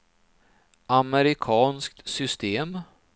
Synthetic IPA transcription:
amɛɾɪkʰɑːnskt̪sʏst̪eːm

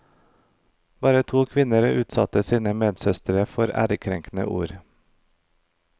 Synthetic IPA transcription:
bɑːɾət̪ʰuːkʰʋɪnəɾʔʉːt̪sɑ̰t̪əsiːnəmeːd̪sœst̪əɾəfɔɾæ̰ːɾəkʰɾɛŋknə̰ʔṵːɾ

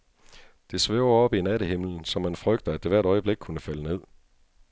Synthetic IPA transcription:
d̥e̝sʋeʊɐɒ̽b̥inæɾəɦe̝m̰ln̩sɒ̽mːænfʁœɡ̥d̥əæd̥e̝ʋæɐɾ̥ɒ̽ɪəb̥le̝ɡ̥̚kʰunəfæləne̝ð̞̰ˠ

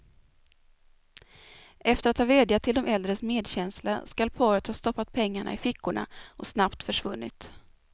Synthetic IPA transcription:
ʔɛft̪əɾat̪hɑːveːd̪jat̪ʰɪld̪ɔmʔɛld̪ɾəsmeːd̪ɕɛnsla̰skalpʰɑːɾət̪hɑːst̪ɔpːat̪̚pʰɛŋːaɳa̰ɪfɪkːʊɳa̰ʔɔsnapt̪fœʂvɵnːɪ̰t̪

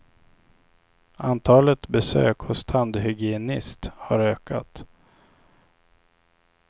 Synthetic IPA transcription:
ant̪ʰɑːlət̪bɛsø̰ːkhʊst̪ʰand̪hʏɡɪɛnɪst̪haɾøːka̰t̪

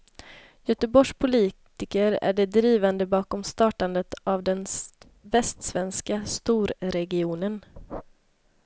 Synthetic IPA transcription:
jœt̪əbɔʂpʰʊliːt̪ɪkəɾæ̰ɖɛd̪ɾiːvand̪əbɑːkɔmst̪ɑːʈand̪ət̪avd̪ɛn | vɛst̪svɛnskast̪uːɾɾɛɡɪuːnən

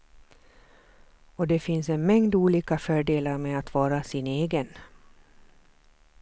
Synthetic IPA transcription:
ɔd̪ɛfɪnsɛnmɛŋd̪uːliːkafœːɖeːlaɾmɛat̪vɑːɾasɪneːɡən

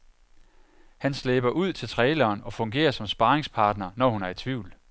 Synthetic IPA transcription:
hænsleb̥ɐʔuð̞̰ˠt͡sʰe̝lt͡sʰʁɛːlɐːnɒ̽fɔ̽ŋɡ̥e̝̰ːɐsɒ̽msb̥ɑ̈ːʁeŋspʰɑ̈ːd̥nɐnɒhunæɐit͡sʰʋiʊl

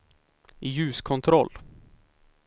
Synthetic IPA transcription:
jʉ̟ːskʰɔnt̪ʰɾɔlː

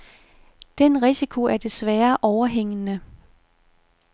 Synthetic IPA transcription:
d̥enʁisikʰoæɐd̥e̝sʋæːɐʔɒʊɐɦeŋ̰ənə

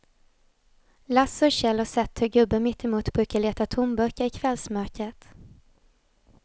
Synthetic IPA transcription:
lasɔɕɛlɔsɛt̪ʰːœɡɵbːəmɪt̪ːɛmuːt̪b̥ɾʉ̟ːkaɭeːt̪at̪ʰʊmbœɾkəɾɪkʰvɛlsmœɾkət̪

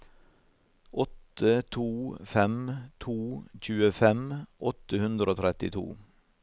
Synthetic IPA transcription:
ʔɔt̪ət̪ʰuːfɛmt̪ʰuːc͡çʉːəfɛmʔɔt̪əhʉnd̪ɾəoːt̪ʰɾɛt̪ɪt̪ʰṵː

